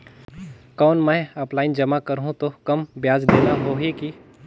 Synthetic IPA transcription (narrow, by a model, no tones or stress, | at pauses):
kɔːnmɛ̃ɔplaːɪnd͡ʒɐmakɐɾɦũt̪okɐmbjaːd͡ʒd̪eːnaɦoːɦeki